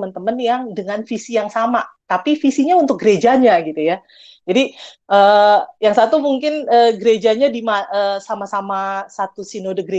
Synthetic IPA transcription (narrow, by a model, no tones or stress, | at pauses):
mənt̪əmənjaŋdəŋanfisijaŋsamat̪apifisiɲaunt̪ʊk̚ɡəɾed͡ʒaɲaɡit̪uja | d͡ʒadi | ʔəːjaŋsat̪umuŋkɪnəːɡəɾed͡ʒaɲadimaəsamasamasat̪usinodəɡəɾe